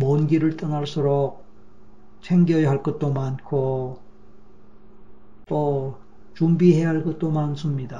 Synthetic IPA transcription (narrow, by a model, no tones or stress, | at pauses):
mʌnɡiɾɯɭt͈ʌnaɭs͈ʰoɾok̚ | t͡ɕʰeŋɡjʌjʌɦaɭk͈ʌt̚t͈omankʰo | to | t͡ɕumbiɦe̞jaɦaɭkʌt̚t͈omansʰɯmɲida